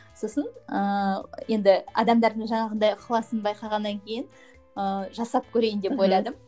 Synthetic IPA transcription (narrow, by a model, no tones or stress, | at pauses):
so̞sənəje̞nd̪ɪɑ̰d̪ɑmd̪ɑɾd̪əɴʒɑɴɑʁənd̪ɑjqʰlˠɑsənbɑjqɑʁɑnːɑŋkʲʰe̞jɪn | əʒɑsɑp̚kʲʰɵɾe̞jɪnd̪e̞po̞jlˠɑd̪ə